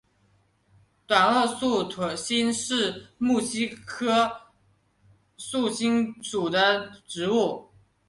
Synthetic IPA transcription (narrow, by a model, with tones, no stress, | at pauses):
t̪wa˨˩nɤ˥˧su˥˩t̪ʰwə˨˩ɕi˥nʂɻ̩˥˩mu˥˩ɕi˥kʰɤ˥ | su˥˩ɕi˥ŋʈ͡ʂu˨˩d̪ə˦ʈ͡ʂɻ̩˧˥u˥˩